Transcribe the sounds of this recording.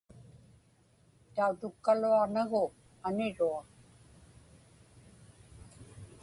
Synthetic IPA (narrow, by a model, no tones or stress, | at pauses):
t̪aut̪ʊkːaluaʁnaɣʊ | anɪɻua